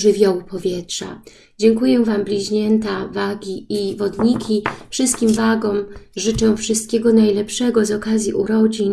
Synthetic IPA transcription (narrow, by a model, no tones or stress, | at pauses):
ʐɘvʲjɔwpɔvʲjɛtʂa̰ | d͡ʑɛŋkujɛvamblʲiʑɲɛnt̪avaɡʲiivɔd̪ɲikʲifʂɘst̪̚kʲimvaɡɔmʐɘt͡ʂɛw̃fʂɨst̪̚kʲeɡɔnajlɛpʂɛɡɔzɔkazʲjiʔuɾɔd͡ʑiɲ